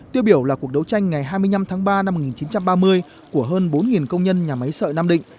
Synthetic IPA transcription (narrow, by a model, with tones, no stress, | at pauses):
t̪i˧əwɓi˧˩əwlaː˨˩ku˨˩ək̚ɗə˧˥wt͡ɕa˧jŋ̟ŋa˨˩jɦaː˧jmɨ˧əjna˧mt̪ʰaː˨˦ŋɓaː˧na˧mo˨˩k̚ŋi˨˩nt͡ɕi˨˦nt͡ɕa˧mɓaː˧mɨ˧əj | ku˧˩əɦəː˧nɓo˨˦nŋi˨˩nkə˧wŋ͡mɲə˧nɲaː˨˩ma˨˦jsə̰ː˧˨jnaː˧mɗḭ˧˨ŋ